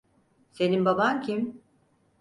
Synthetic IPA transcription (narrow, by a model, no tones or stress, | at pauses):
se̞nimbabamcʰim